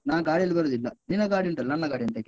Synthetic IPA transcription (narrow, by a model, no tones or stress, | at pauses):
naːɡaːɽiɐlibɐɾod̪ilːɐninɐɡaːɽiɐɳʈɐlːɐnːɐɡaːɽiɐnt̪ek